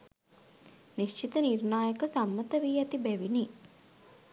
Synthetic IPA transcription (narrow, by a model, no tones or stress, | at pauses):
niʃt͡ʃit̪ənirnaːjəkəsamːət̪əʋiːæt̪ibæʋini